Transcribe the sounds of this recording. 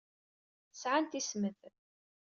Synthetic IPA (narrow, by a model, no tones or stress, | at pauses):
sʕant̪isməð